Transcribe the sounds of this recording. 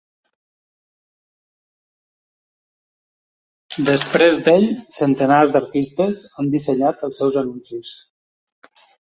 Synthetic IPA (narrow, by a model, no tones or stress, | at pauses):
d̪əspɾezd̪eʎsənt̪ənazd̪əɾt̪ist̪əzand̪isəɲat̪əlˠsɛwzənunsis